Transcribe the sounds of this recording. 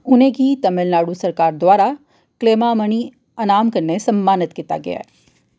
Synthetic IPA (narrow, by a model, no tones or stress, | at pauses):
ʊnẽkit̪ɐmɪlnaːɽusɐɾkaːɾd̪waːɾa | kleːmamɐni | ɐnaːmkɐɾnesɐmːaːnɪt̪kiːt̪a̰ɡɐ̰ja̰ɛː